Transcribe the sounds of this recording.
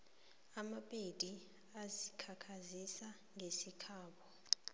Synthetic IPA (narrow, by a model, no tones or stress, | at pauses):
amapʼed̥ʱʼi | azikʰakʰazisa | ŋʱesikʰaːɓɔ